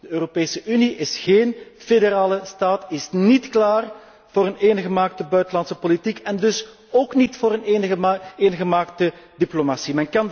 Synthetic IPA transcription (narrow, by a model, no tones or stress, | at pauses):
dəøːropeːsəʔyniʔɪsɣeːnfedeɾaːləstaːtɪsnitklaːr | v̥oːɾəneːnɣəmaːk̚təbœɥtəlɑntsəpolitikɛndɵs | oːknitfoːɾənneːnɣəmaːk̚tədiplomasimɛnkɑn